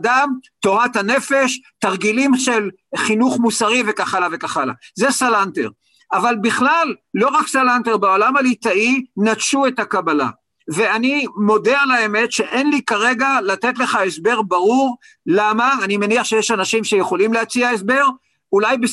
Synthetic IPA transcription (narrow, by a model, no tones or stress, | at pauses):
damto̞ʁat̪hane̞fe̞ʃtaʁɡilimʃe̞l | χinuχmusaʁivekaχalave̞kaχala̰zesalantḛʁ | avalbiχlalːo̞ʁaksalanteʁbaolamalitainatʃue̞takabala̰ | ve̞animo̞dealaeme̞tʃe̞ʔenlikaʁe̞ɡalat̪e̞tle̞χaesbe̞ʁbaʁuʁ | lamaːnimeniaχʃejeʃanaʃimʃe̞jeχo̞limleat͡siaesbe̞ʁ | ulajbe